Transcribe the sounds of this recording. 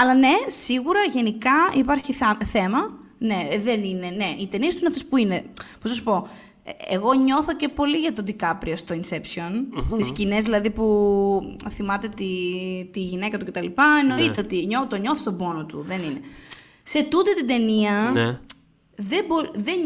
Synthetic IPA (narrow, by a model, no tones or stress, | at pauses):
ɐlɐne̞siɣuɾɐʝe̞nikɐipɐɾçiθɐθe̞mɐ | ne̞ðenine̞neit̪e̞niest̪uineɐft̪espuine̞pznɐs̬u̥po̞ | eɣo̞ɲo̞θo̞ce̞po̞liʝɐt̪o̞d̪ikɐpɾiost̪oinse̞psio̞nsiscinezðilɐðipu | θimɐt̪e̞t̪it̪iʝine̞kɐt̪ucet̪ɐlipɐeno̞it̪eot̪iɲot̪oɲo̞θist̪o̞bo̞not̪uðe̞nine | se̞t̪ut̪e̞t̪id̪e̞niɐ | ðeboðe